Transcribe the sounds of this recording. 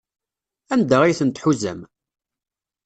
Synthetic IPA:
ænd̪əʁijθənt̪ħuzæ̰m

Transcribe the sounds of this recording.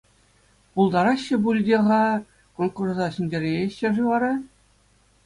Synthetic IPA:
pulˠd̪ɑɾɑɕːɘ̆bulʲdʲeʁɑ | konkurzɑɕinʲdʲeɾʲeeɕːɘ̆ʐɯʋɑɾɑ

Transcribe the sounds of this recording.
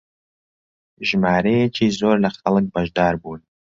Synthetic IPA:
ʒmaːɾejɛt͡ʃʰiːzoːrlɐχɐlɨk̚ʼbaʒd̪aːrbuːn

